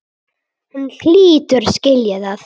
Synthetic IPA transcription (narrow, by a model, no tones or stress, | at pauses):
hunθiːt̪ʏɾ̥scɪljɪðað